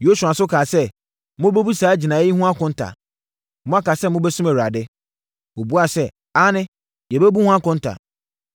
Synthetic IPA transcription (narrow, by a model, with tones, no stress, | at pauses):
jo˦su˨a˨sʊ˦kʰaː˨sɛ˦ | mʊ̃˦bɛ˦bu˦saː˨˦d͡ʑi˨nã˨˦jɪ˦hʊ̃˦a˦kʊ̃˨˦n̩˦tʰa̰˨ | mʊ̃˦a˦ka˨sɛ˦mʊ̃˦bɛ˦sʊ̃˦mæ˨wa˨dɪ˦ | o˨bu˦a˨sɛ˦ | a˦nɪ̃˦ | jɛ˨bɛ˦bu˦hũ˦a˦kʊ̃˨n̩˦tʰa̰˨